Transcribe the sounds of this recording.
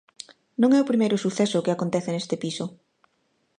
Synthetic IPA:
nõŋɛʊpɾimejɾʊsuθɛsʊkɪakont̪ɛθɪnest̪ɪpisʊ

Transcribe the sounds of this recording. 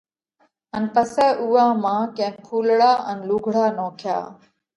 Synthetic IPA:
ənpəsɛːʔuːãːmãːkẽːkʰuːlɽaːʔənluɡʱɽaːnoːkʰja̰ː

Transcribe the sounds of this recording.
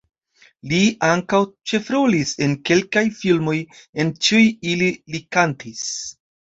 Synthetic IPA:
liʔaŋkawt͡ʃe̞fɾolise̞nke̞lkajfilmo̞je̞nt͡ʃiujililikantis

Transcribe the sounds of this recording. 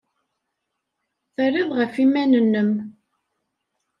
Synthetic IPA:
θərːiðˤʁəfimænənːəm

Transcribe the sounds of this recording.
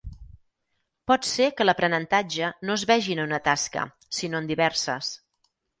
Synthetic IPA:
pɔt̪sekələpɾənənt̪ad͡ʒənoəzβɛʒinəunət̪askə̰ | sinoənd̪iβɛɾsə̰s

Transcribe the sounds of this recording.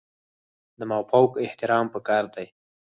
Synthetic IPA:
d̪əmawpawkɪht̪ɪɾɑmpəkɑɾd̪aj

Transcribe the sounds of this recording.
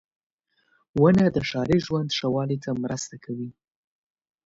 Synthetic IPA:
wənad̪əʃɑɾeʒwand̪ʃawɑlit̪ʰamɾəst̪akʰawi

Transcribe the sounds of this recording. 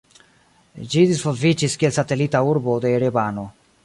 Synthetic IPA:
d͡ʒid̪isvozvit͡ʃiskielsat̪elit̪auɾbod̪eɾebano

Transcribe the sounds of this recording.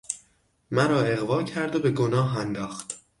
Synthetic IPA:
mæɾɒːe̞ɣvɒːcʰæɾd̪obe̞ɡonɒːɦænd̪ɒːxt̪

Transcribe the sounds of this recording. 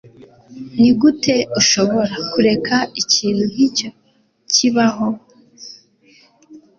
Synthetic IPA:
niɡutʰe̞uʃo̞βo̞ɾakuɾe̞kʰaiciːnuɦico̞ | ciβaɦo̞

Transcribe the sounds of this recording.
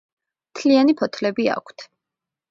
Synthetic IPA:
mt̪ʰlianipʰɔt̪ʰlɛbia̰kʷʰt̪ʰ

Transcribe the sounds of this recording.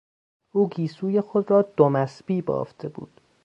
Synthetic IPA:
ʔuːɡiːsuːje̞xod̪ɾɒːd̪omæsbiːbɒ̰ːft̪ʰebṵːd̪̥

